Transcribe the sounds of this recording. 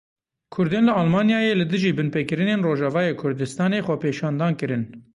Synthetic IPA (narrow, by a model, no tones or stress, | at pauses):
kʰʊɾd̪eːnlɨɑlmɑːnjɑːjeːlɨd̪ɨʒiːbɨnpekɨɾɨneːnroːʒɑːvɑːjeːkʰʊɾd̪ɨst̪ɑːneːxʷɛpʰeːʃɑːnd̪ɑːnkɨɾɨn